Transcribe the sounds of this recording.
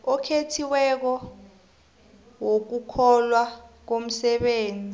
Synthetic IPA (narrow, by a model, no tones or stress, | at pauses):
ɔkʰetʰiwɛk̬ɔ | wok̬ukʰɔlwak̬om̩sɛɓeːnd͡zʱi